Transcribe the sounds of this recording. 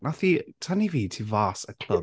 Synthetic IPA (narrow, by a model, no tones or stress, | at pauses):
nʔaθitʰaniviːtʰivaːsəkʰl̥ə